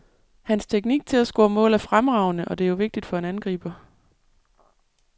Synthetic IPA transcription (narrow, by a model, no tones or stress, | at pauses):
hænst͡sʰeɡ̥̚niɡ̥̚t͡sʰe̝læsɡ̥ɔ̰ːmɔ̰̽ːlæfʁamʁɑ̈ʊ̰nəʔɒ̽d̥e̝ɐjo̝ʋe̝ɡ̥̚d̥id̥fɒ̽hænænɡ̥ʁḭːb̥ɐ